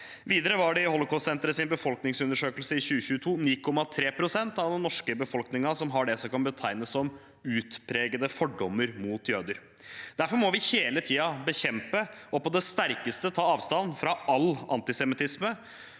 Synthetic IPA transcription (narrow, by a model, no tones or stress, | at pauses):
ʋiːd̪əɾəʋɑɖɛɪhɔlɔkʰɔssɛnt̪əɾəsɪnbəfɔlknɪŋsʉnəʂøːkəlsəɪçʉːəçʉːət̪ʰuːniːkʰɔmɑt̪ʰɾeːpʰɾʊsɛnt̪ɑʋd̪ɛnːɔʂkəbəfɔlknɪŋɑsɔmɦɑɖɛsɔkɑnbət̪ʰæɪnəsːɔm | ʉːt̪pʰɾeːɡəd̪əfɔɖːɔmːəɾmuːt̪jøːd̪əɾ | d̪̥æɾfɔɾmɔʋɪheːlət̪ʰiːɑbəçɛmpəɔpɔd̪ɛst̪æɾkəst̪ət̪ʰɑːɑːʋst̪ɑnːfɾɑʔɑlːɑ̰nt̪ɪsɛmɪt̪ʰɪsmə